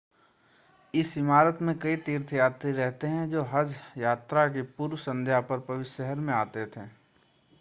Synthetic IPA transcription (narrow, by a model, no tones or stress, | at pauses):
ɪsɪmaːɾət̪mẽkɐit̪iːɾt̪ʰjaːt̪ɾiɾɛɦt̪eɦɛ̃d͡ʒoːɦɐd͡ʒjaːt̪ɾakipuːɾwsɐ̃nd̪ʱjapɐɾpɐʋɪtʃɛɦəɾmẽaːt̪et̪ʰeː